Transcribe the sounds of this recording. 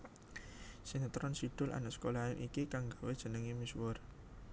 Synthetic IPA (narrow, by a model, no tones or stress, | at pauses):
sint̪ɾɔnsiɖ̥ʊ̤lʔa̰naʔsə̥kolaɪmʔikikaŋɡawed̥ʒ̥ə̤nəŋimiswʊr